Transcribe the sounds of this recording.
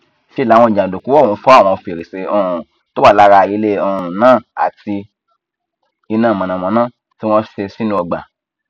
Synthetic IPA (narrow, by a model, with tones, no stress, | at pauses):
fi˦˨lã˨˦ɔ̃˧˨d͡ʒã˨do˨ku˨˦ɔ̃˦˨˦fɔ˦a˦˨w̃ɔ̃˧fi˧˨ɾe˨se˧ɔ̃˦˨˦to˦a˦˨la˧ɾa˧i˧˦le˦ɔ˧˨ũ˨nãː˦˨a̰˨ti˧ | i˧nãː˦˨mã˨nã˨mɔ̃˨nãː˦˨ | ti˦w̃ɔ̃˦ʃe˧si˦nũ˦ɔ˧ɡ͡ba̰˨